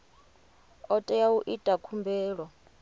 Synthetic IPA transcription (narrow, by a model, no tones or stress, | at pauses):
ɔtʼɛjauʔitʼakʰumbʱɛːɺwɔ